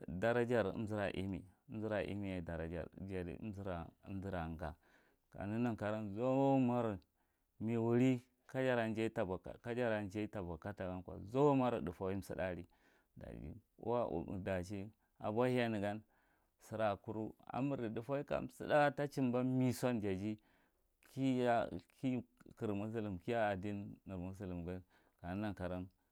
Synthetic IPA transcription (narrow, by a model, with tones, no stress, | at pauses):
da˨ɾa˦d͡ʒa˦˨ɾḭ˦zi˦ɾa˨ʔḭ˦mḭ˨˦m˦zi˦ɾa˨ʔḭ˦mi˦ja˨da˨ɾa̰˨d͡ʒa̰˨ɾd͡ʒa˨ɾḭ˨˦m˦zi˦ɾa˨˦mzi˦ɾa˨ɡa̰˨ | ka̰˨ni˦na˨ŋka˨ɾa˦nzo˦ma˦ɾi˨ | mi˨wu˨ɾi˦ | ka˦d͡ʒa˦ɾa˨nd͡ʒe˦tka˦d͡ʒa˦ɾa˨nd͡ʒa˦i˦ta˨ba˨ka˦ta˨ɡa˦nkʷa̰˨zo˦ma˦ɾi˨du˨fa˦wi˦m˨sḭ˦da˦˨ɾi˦ | da̰˨d͡ʒḭ˦ṵ˦wa˦ʔṵ˨da˨t͡ʃi˦ | a̰˨bʷa˦hi˦a˦ni˨ɡa˦n | si˨ɾa˨ku˦ɾu˦a̰˨mu˨ɾi˨du˨fa˦wi˦ka̰˨m˨sḭ˦da˦a˦ta˦t͡ʃi˦mba˦mi˦sʷa˦nd͡ʒa˨d͡ʒi˦ | ki˦a˦kʰi˦ki˨ɾmu˦s̬u˦li˨mki˦ja˦a˨di˦nːi˨ɾmu˦s̬u˦li˨mɡa˦ | ka˨n˦na˦nka˨ɾa˦n